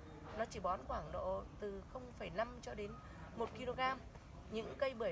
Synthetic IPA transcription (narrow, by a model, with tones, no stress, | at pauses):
nɔ˨˦t͡ɕi˧˩ɓɔ˨˦nkwaː˧˩ŋɗo̰˧˨t̪ɨ˨˩xə˧wŋ͡mfə˧˩jna˧mt͡ɕɔ˧ɗe˨˦n | mo˨˩t̚ki˧lo˧ɣaː˧m | ɲɨ̰˧˥ŋkə˧jɓɨ˧˩